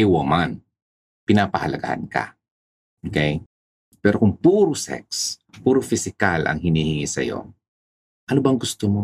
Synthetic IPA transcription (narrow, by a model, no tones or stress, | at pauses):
ɛwɐman | pɪnaːpɐhɐlɐɡa̰hɐ̰nka̰ | ʔʔokɛj | pɛːɾokʊŋpuːɾʊsɛ̰k̚spuːɾʊfɪsɪkalʔɐ̰ŋhɪniːhɪŋisɐ̰jo̰ | ʔɐnobɐŋɡʊst̪omo